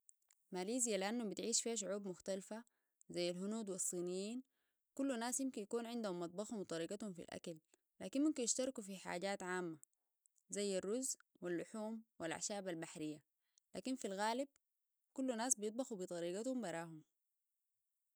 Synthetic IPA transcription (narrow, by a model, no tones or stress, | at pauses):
maːliːzijaliʔanːubit̪ʕiːʃfiːhaʃ̬ʊʕuːbmʊxt̪alfa | zajːalɦunuːd̪wisˤːiːnijːiːn | kulːunaːsjimkinjakuːnʕɪnd̪ahumːɑt̪ˤbɑxhumwɨt̪ˤɑɾiːɡat̪humfḭlʔa̰kalː | a̰ːkinmumkiniʃt̪ɑɾˤkufiħa̰ːɟaːt̪ʕaːmːa | zajːarːuzwilːʊħuːmwḭlʕa̰ʃaːbalbaħɾijːa | la̰ːkinfilɣaːlib̚ | kulːnaːsbijɪt̪̚ˤbɑxubit̪ˤɑɾiːɡat̪humbɑɾˤɑːɦum